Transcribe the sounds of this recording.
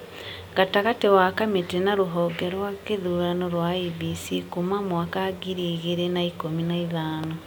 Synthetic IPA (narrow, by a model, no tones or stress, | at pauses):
ɡataɣatewakametenaɾuɦɔːɡeɾwwakeðuːɾanoɾwaibisikumamwakaɡiɾiːɣeɾenaikominaiðaːno